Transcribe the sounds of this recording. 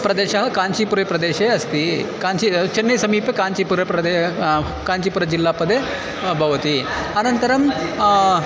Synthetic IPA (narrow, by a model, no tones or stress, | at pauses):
pɾɐd̪eɕaɦɐkaɲt͡ɕiːpuɾepɾɐd̪eɕeɐst̪iːkaɲt͡ɕit͡ɕɐnːesɐmiːpekaɲt͡ɕipuɾpɾɐd̪e | kaɲt͡ɕipuɾəd͡ʑilːapəd̪ʱːje | bʱɐʋt̪iː | anənt̪əɾɐm